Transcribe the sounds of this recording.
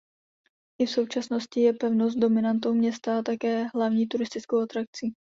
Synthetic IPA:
ʔɪfso̞wt͡ʃasno̞scɪjɛpɛvno̞s̬t̪̚do̞mɪnant̪̬o̞wmɲɛst̪aat̪akɛːɦlavɲiːt̪uɾɪst̪ɪt͡skowat̪ɾak̚t͡si

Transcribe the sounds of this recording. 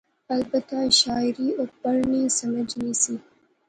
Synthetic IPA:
albat̪aʃɑɪɾiobaɽnisamad͡ʒnisi

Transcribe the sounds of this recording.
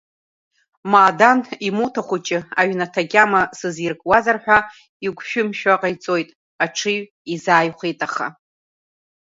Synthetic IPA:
maːdanimutʰaχʷut͡ʃʼɪaɥnatʰaɡʲamasɨzirkʼwazarħʷᶣa | iɡʷʃᶣʊmʃᶣaqʼajt͡sʼo̞jtʼ | aʈ͡ʂʰɨɥ | izaːjχʷijtʼaχa̰

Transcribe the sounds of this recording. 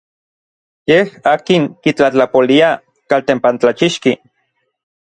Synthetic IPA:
jehaːkiŋkit͡ɬat͡ɬapolia | kalt̪empant͡ɬat͡ʃiʃki

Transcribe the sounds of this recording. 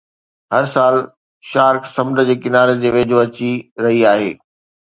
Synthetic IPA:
ɦɐɾsaːl | ʃaːɾksɐ̃md̪əd͡ʑeːkɪnaːɾed͡ʑeːʋeːd͡ʑʱoɐt͡ɕiɾɐɦiaːɦeː

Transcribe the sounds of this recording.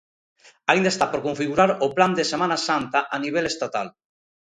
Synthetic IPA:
aĩnd̪aest̪apoɾkõɱfiɣuɾaɾopland̪esemanasant̪aʔaniβ̞elest̪at̪a̰l

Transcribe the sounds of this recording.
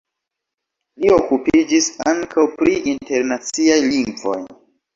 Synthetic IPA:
lio̞kupid͡ʒisaŋkawpɾiinte̞ɾnat͡siajliŋɡvo̞̰j

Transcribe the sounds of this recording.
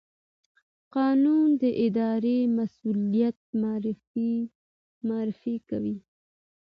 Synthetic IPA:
qɑnund̪əʔɪd̪ɑɾemasulijat̪̚mɾ | mɑɾɪfikawi

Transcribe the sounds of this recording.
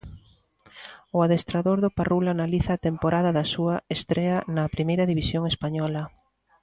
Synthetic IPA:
ʊaðest̪ɾaðoɾðʊparulanaliθɐːt̪empoɾʔaðɐðɐsuɐest̪ɾeɐnɐpɾimejɾɐðiβisjoŋespaɲɔlɐ

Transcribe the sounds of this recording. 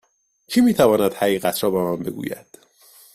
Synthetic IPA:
t͡ʃʰimiːt̪ʰævɒːnæd̪̥hæɣiːɣæt̪ʰɾɒːbɒmæmbe̞ɡṵːjæ̰d̪̥

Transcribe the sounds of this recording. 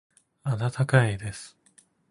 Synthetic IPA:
ad̪at̪ʰakaid̪e̞sɨ̥

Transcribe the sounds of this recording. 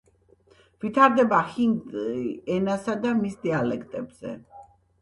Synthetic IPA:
vit̪ʰaɾd̪ɛbahinɡɛnasad̪amisd̪ialɛkʰt̪ʼɛbz̥ɛ̰

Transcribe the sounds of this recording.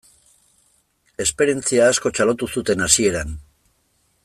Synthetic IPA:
e̞spe̞ɾe̞nt͡siaːsko̞t͡ʃalo̞t̪uθut̪e̞nasie̞ɾan

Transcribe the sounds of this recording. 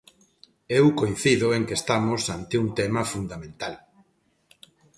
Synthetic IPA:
ewkojn̟θiðʊeŋkest̪amosant̪ɪuŋt̪emɐfund̪amẽnt̪al

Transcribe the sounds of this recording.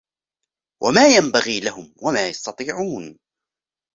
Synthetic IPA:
wʔa̰maːjambaɣiːlaɦʊmwamaːjɑst̪ɑt̪ˤiːʕuːn

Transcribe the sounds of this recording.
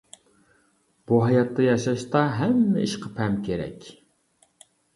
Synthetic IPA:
b̥uɦɑjɑt̪ːɑjɑʃɑʃt̪ɑɦæmːɪ̰iʃqʰə̥pʰɛmkʲʰeɾɛ̰kʲ

